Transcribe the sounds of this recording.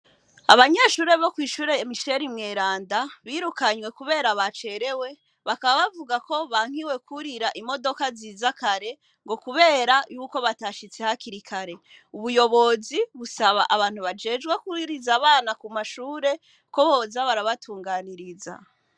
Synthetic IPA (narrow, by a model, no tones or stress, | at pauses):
a̰βaɲeʃuːɾe̞βo̞kwiːʃuːɾe̞jemiʃe̞ɾimŋe̞ːɾaːndaβiːɾukaɲwe̞kuβe̞ːɾaβat͡ʃe̞ɾe̞we̞ | βakaβaβavuɡako̞βaŋ̥hiwe̞kʰuɾiɾaʔimo̞do̞kaziːzakaɾe̞ | ŋɡo̞kuβe̞ːɾajuːko̞βataʃit͡se̞hakiɾikʰaɾe̞ | uβujo̞βo̞ziβusaβaʔaβaːn̥huβad͡ʒe̞ːd͡ʒɡwekuiɾizaβaːnakumaʃuːɾe̞ | ko̞βo̞ːzaβaɾaβatʰuːŋɡaːniɾiza̰